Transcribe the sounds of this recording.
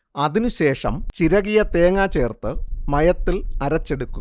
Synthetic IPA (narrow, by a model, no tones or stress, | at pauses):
ɐðinɨɕe̞ːʂɐ̰mt͡ɕiɾɐɣijɐt̪e̞ːŋaːt͡ɕe̞ːrt̪ɨmɐjɐt̪ːilɐɾɐt͡ɕːe̞ɽukːum